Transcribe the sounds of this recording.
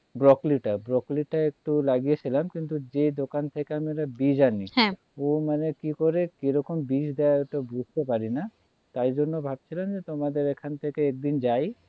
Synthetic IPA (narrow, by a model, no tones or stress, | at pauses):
bɾɔkliʈabɾɔkliʈːaek̚ʈulaɡijet͡ɕʰilamkint̪ud͡ʑed̪okant̪ʰekeamieɾabid͡ʑaniɦɛ̃ | omanekikoɾekeɾɔkombiʃd̪eaoʈabʱust̪epaɾina | t̪aɾd͡ʑonːobʱab̚t͡ɕʰilamd͡ʑet̪omad̪eɾekʰant̪ʰekeɛk̚d̪ind͡ʑaj